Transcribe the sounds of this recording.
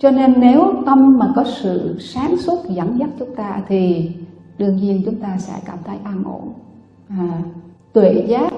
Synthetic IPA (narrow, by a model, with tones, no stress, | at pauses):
t͡ɕɔ˧ne˧nːe˨˦wt̪ə˧mːaː˨˩kɔ˨˦sɨ̰˧˨saː˨˦nswə˦˥t̚za˧˩nza˦˥t̚t͡ɕʊ˨˦ŋ͡mt̪aː˧t̪ʰi˨˩ | ɗɨ˧əŋɲi˧ənt͡ɕʊ˨˦ŋ͡mt̪aː˧sɛ̰˧˥kaː˧˩mt̪ʰə˨˦jʔaː˧nʔo̰˧˩˨n | aː˨˩ | t̪we˧˩˨zaː˨˦˥t̚